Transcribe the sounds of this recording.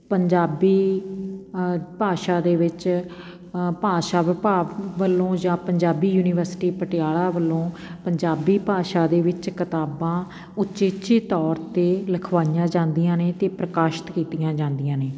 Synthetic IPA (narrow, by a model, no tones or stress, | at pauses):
pəɲd͡ʒaːbiː | paːʃaːd̪eːʋɪt͡ʃ | paːʃaːʋɪpaːʋʋəlːõːd͡ʒãːpəɲd͡ʒaːbiːjuːnɪːʋəɾsʈiːpəʈɪjaːlaːʋəlːõː | pəɲd͡ʒaːbiːpaːʃaːd̪eːʋɪt͡ʃkɪt̪aːbãː | ʊtːt͡ʃeːt͡ʃeːt̪ɔːɾt̪eːləkʰʋaːijãːd͡ʒãːnd̪ijãːneːt̪eːpɾəkaːʃɪ̥t̪kiːt̪ijãːd͡ʒãːnd̪ijãːneː